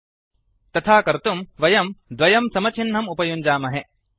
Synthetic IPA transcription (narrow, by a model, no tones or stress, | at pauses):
t̪ɐt̪ʰaːkɐɾt̪umʋɐjɐmd̪ʋɐjɐmsɐmɐt͡ʃʰinɦɐmupɐjuɲʲd͡ʒaːmɐɦe